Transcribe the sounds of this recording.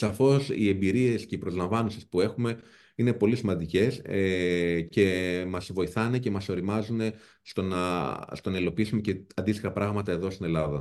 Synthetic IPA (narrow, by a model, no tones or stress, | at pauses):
sɐfo̞sḭe̞mbiɾie̞sce̞ipɾozlɐɱvɐnosispue̞xume̞ | ine̞po̞lisimɐnd̪ice̞sece̞mɐzvo̞iθɐne̞ce̞mɐso̞ɾimɐzune̞ | st̪onɐst̪o̞nɐilo̞piisumece̞ɐnd̪ist̪i̥xɐpɾɐɣmɐt̪ɐe̞ðo̞st̪ine̞lɐðɐ